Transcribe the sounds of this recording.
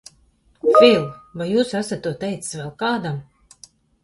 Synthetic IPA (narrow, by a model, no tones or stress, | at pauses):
vʲilˠvajjuːsæsat̪̚ːuɔt̪ɛjt̪si̥svɛlˠkaːd̪am